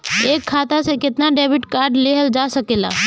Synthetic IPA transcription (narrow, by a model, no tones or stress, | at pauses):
eːkʰːaːt̪asekɪt̪naɖeːbɪʈkaːɾɖleɦəld͡ʒaːsɐkeːla̰ː